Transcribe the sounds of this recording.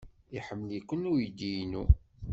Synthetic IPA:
iħəmːəljikʷːənujid̪ijnṵ

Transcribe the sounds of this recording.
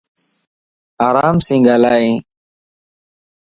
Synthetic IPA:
aːɾaːmsĩːɡaːlaːẽː

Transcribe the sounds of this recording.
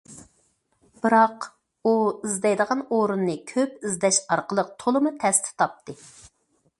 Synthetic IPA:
b̥ɨɾɑq | uizd̪ɛjd̪əʁɑnoɾunːɨkʲʰøpizd̪ɛʃɑɾqəlˠəq̚t̪ʰolˠɨmut̪ʰɛst̪ʰɪ̥t̪ʰɑp̚t̪ʰɨ

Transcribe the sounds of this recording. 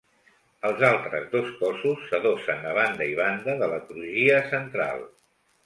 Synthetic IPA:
əlˠzalˠt̪ɾə̰zðoskɔsusːəðosənəβ̞and̪əiβ̞and̪əðələt̪ɾuʒiəsənt̪ɾa̰lˠ

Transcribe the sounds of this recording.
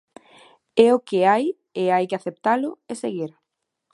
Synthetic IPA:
ɛʊkeaj | eajkeaθep̚t̪alʊeseɣiɾ

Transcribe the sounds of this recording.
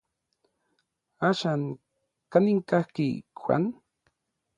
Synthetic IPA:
aʃaŋ | kaniŋkahkḭxwa̰n

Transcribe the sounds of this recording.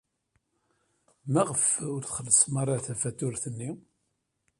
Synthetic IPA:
mæʁəfʊɾθχəlːəsmɑrˤɑθæfæt̪ːʊɾθənːi

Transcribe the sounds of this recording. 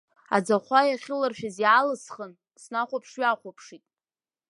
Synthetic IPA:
a̰d͡zaχʷajaχʲɪlɨrʃᶣazjalɨsχən | snaχʷapʰʂɥaχʷapʰʂitʼ

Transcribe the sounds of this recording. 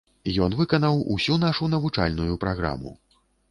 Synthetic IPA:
jɔn̪vɨkɐnɐwṵsʲunaʂunɐvut͡ʂa̰lʲnujupɾaɣɾa̰mṵ

